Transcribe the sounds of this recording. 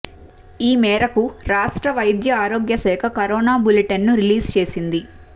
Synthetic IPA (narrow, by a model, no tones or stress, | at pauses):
iːmɛːɾɐkuɾaːʂʈɾɐʋɐjd̪jɐaːɾoːɡjɐsɛːkʰɐkɐɾɔːnaːbuleʈɐnːuɾiliːst͡ʃe̞ːsind̪i